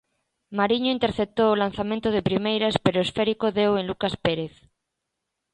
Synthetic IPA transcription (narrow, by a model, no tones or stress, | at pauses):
maɾiɲoint̪eɾθep̚t̪oːlan̟θamẽnt̪oð̞epɾimejɾaspeɾoesfɛɾikoðewenlukaspeɾeθ